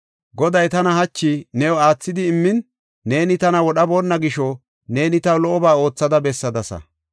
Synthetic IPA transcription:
ɡɔd̪ɐjt̪ɐnɐhɐt͡ʃːɪnɛwɔaːt͡sːɪd̪ɪːmːɪnː | e̞ːnɪt̪ɐnɐwɔɗɐboːnːɐɡɪʃɔ | ne̞ːnɪt̪ɐwlɔʔɔbaːo̞ːt͡sːɐd̪ɐbɛsːɐd̪ɐsɐ̰

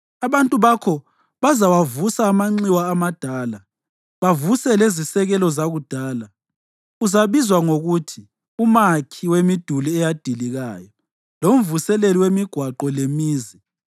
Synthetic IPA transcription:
aβantʼuβakʰɔ | βazawavusaːmaŋ͡ǀiwaːmad̥ʱaːla | βavusɛlezisɛɣɛlɔzaɣud̥ʱaːla | uzaβizwaŋoɣutʰi | umakʰiwemid̥ʱuliɛjad̥ʱiliɣa̰ːjɔ | lom̩vusɛleliwemiɡ̥ʱwaǃɔlemiːzi

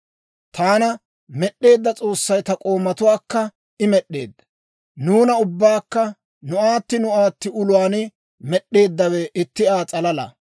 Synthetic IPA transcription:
t̪aːnɐ | mɛɗːe̞ːd̪ːɐt͡sʼo̞ːsːɐjt̪ɐkʼo̞ːmːɐt̪ʊwaːkːɐ | ɪmɛɗːe̞̰ːd̪ːɐ̥ | nuːnɐʊbːaːkːɐ | nʊaːt̪ːɪnʊaːt̪ːɪʊlʊwaːnɪ | mɛɗːe̞ːd̪ːɐwɛʔɪt̪ːɪaːt͡sʼɐlɐlɐ̰

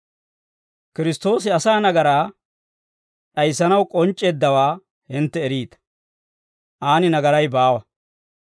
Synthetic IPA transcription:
kɪɾɪst̪o̞ːsɪɐsaːnɐɡɐɾaː | ɗɐjsːɐnɐwkʼɔnt͡ʃʼːeːd̪ːɐwaː | hɪnt̪ːɛːɾiːd̪ɐ̥ | ʔaːnɪnɐɡɐɾɐjbaːwɐ

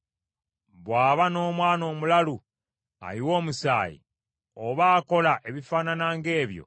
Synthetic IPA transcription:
βwaːβano̞ːmwaːno̞ːmulalu | a̰liwo̞ːmusa̰ːjḭ | oβaːko̞laʔe̞βifaːnanaːŋɡe̞ːβjo̞̰

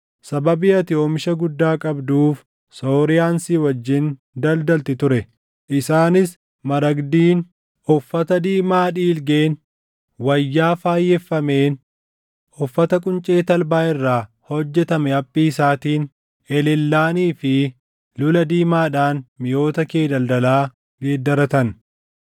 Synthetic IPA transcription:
sɐbɐbɪɐt̪ɪo̞ːmɪʃɐɡʊd̪ːaːkʼɐbd̪uːf | soːɾɪjaːnsiːwɐd͡ʒːɪn | d̪ɐld̪ɐlt̪ɪt̪ʊɾɛ | ʔɪsaːnɪs | mɐɾɐɡd̪iːn | ʔɔfːɐt̪ɐd̪iːmaːᶑiːlɡeːn | wɐjːaːfaːjːɛfːɐme̞ːn | ʔɔfːɐt̪ɐkʼʊnt͡ʃʼe̞ːt̪ɐlbaːɪrːaː | hɔd͡ʒːɛt̪ɐmɛɐpʼːiːsaːt̪iːn | ɛlɛlːaːniːfɪ | lʊlɐd̪iːmaːᶑaːnmɪjo̞ːt̪ɐkeːd̪ɐld̪ɐlaː | ɡeːd̪ːɐɾɐt̪ɐn

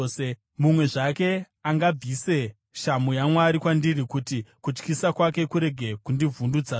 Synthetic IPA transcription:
mumwe̞ʐake̞ | aŋɡab͡vise̞ | ʃamujamwaɾikwandirikutikut͡ʃkisakwake̞kuɾe̞ɡʱe̞kundivʱundud͡za

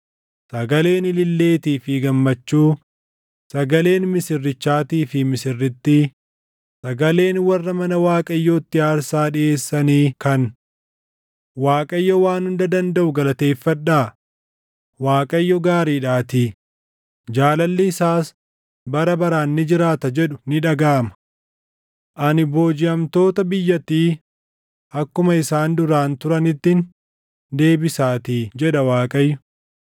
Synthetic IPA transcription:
sɐɡɐle̞ːnɪlɪlːe̞ːt̪iːfɪɡɐmːɐt͡ʃːuː | sɐɡɐle̞ːnmɪsɪrːɪt͡ʃːaːt̪iːfɪmɪsɪrːɪt̪ːɪ | sɐɡɐle̞ːnwɐrːɐmɐnɐwaːkʼɐjːoːt̪ːɪaːɾsaːᶑɪeːsːɐniːkɐn | waːkʼɐjːɔwaːnhʊnd̪ɐd̪ɐnd̪ɐʔʊɡɐlɐt̪e̞ːfːɐᶑaː | waːkʼɐjːɔɡaːɾiːᶑaːt̪iː | d͡ʒaːlɐlːɪːsaːs | bɐɾɐbɐɾaːnːɪd͡ʒɪɾaːt̪ɐd͡ʒɛᶑʊnɪᶑɐɡaːmɐ̥ | ʔɐnɪbo̞ːd͡ʒɪɐmt̪o̞ːt̪ɐbɪjːɐt̪ːiː | ʔɐkːʊmɐɪsaːnd̪ʊɾaːnt̪ʊɾɐnɪt̪ːɪn | d̪e̞ːbɪsaːt̪iːd͡ʒɛᶑɐwaːkʼɐjːɔ̥

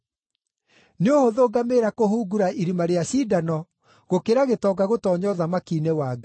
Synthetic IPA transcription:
neohoðoːɡameɾakoɦuːɡuɾaʔiɾimaɾeaɕiːdanɔ | ɣokeɾaɣetɔɡaɣotɔːɲɔðamakiːnewaːɡa

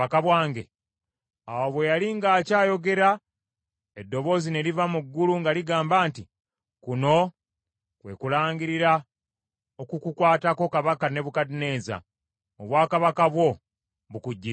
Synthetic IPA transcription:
akaβwaːŋɡe | awoβwe̞jaliŋɡaːcaːjo̞ɡe̞ɾa | edːo̞βo̞zine̞livamuɡːuluŋɡaliɡaːmbaːnti | kuno̞ | kwe̞̰kulaːŋɡiɾiɾa | okukukwaːtako̞kaβakane̞βukadine̞ːza̰ | oβwaːkaβakaβwo̞ | βukuɟːi

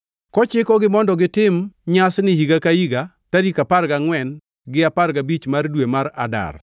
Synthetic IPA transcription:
kɔt͡ʃɪkɔɡɪmɔndɔɡɪtɪmɲasnɪhiɡakaiɡa | taɾikaparɡaŋwɛn | ɡɪaparɡabit͡ʃmardwemaɾa̰da̰r

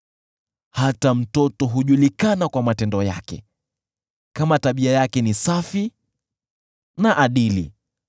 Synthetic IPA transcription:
hatam̩tɔtɔɦuʄulikanakwamatɛndɔja̰kɛ̰ | kamataɓiajakɛnisafi | naʔaɗilḭ

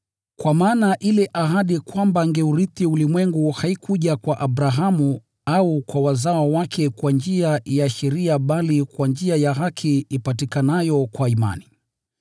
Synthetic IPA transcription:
kwamaːnaʔilɛʔaɦaɗikwambaŋɡɛuɾiθiulimwɛŋɡuhaikʰuʄakwaʔaɓɾaɦamu | aukwawazawawakʰɛkwand͡ʒiajaʃɛɾiaɓalikwand͡ʒiajaɦakʰiːpatikanajɔkwaima̰ni

